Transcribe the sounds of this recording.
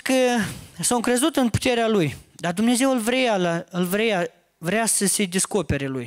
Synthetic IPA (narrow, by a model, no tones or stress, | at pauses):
kəsawŋkɾe̞zut̪ɨnpu̥t̪e̞ɾealujd̪ard̪umne̞ze̞wɨlvɾejalaɨlvɾeja | vɾeasəse̞d̪e̞sko̞pe̞ɾe̞luj